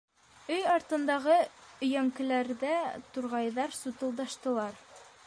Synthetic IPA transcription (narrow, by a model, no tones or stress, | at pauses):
ɵjɑɾt̪ɤ̆nd̪ɑʁɤɵ̆jæŋkɘ̆læɾðæt̪uɾʁɑjðɑɾsut̪ɤ̆lˠd̪ɑʃt̪ɤ̆lˠɑɾ